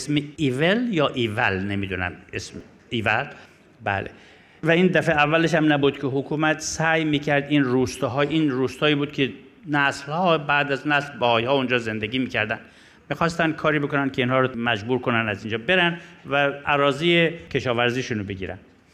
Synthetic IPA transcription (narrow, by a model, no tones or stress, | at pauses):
smeiveljɒːʔivælnemiːd̪unæ̰mesm | ivæl | bæ̰ːlḛ | væiːnd̪æfeævːæleʃ̬æmnæbuːd̪̥kʰʲeɦokʰuːmæt̪ʰsæjmiːkʰæɾd̪inruːst̪ɒɦɒːjiːnɾuːst̪ɒːiːbuːd̪̥kʰe | næslhɒːbæːd̪æznæslbæhɒːjhɒːund͡ʒɒːze̞nd̪eɡʲiːmiːkʰæɾd̪ænd̪ | mixɒːst̪ænd̪̥̚kʰɒːɾiːbe̞konænd̪kʰʲeiːnhɒːɾomæd͡ʒbuːɾkʰonænæzind͡ʒɒːbe̞ɾænd̪væʔæɾɒːziːjekʰe̞ʃɒːvæɾziːʃunobeɡḭːɾæ̰nd̪̥